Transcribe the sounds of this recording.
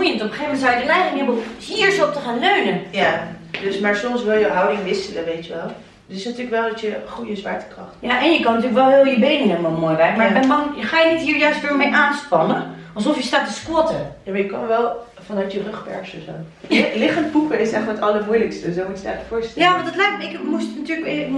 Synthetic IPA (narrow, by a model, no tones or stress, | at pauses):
ujəntɔpəxevmɛntsaːjdəlɛjχɪŋəbəlhiːɹsop̚təxaːnløɥnənjadøsmaɹsomsʋɪlˠjəɦawdɪŋʋɪsələʋeːtjəʋɛlˠ | ətɪsnatyːləkʋɛlˠdɔtjəχujəsʋaɹtə̥krɔxtjaʔɛnjəkɔnːətyːləkʋɛlˠɦɪːlˠəbejnənɛmɔmojʋɛrkmaɛmɔnjəxaːjənitɦiːɹjœɥstʋɪːmejʔaːnspɑnənʔɑlˠsɔfjəstaːtəskwɔtəjamaɹjəkɔnʋɛlˠ | fɔnœɥtjərøxpɛ̰ɹsəso̰ːlɪχəntpukəɪsɛxətɑləmuələkstəsomutdɛ̰əfʊːɹstɛjaɔndɔtlɛj̚ɪkmustnatyːləkʋɪ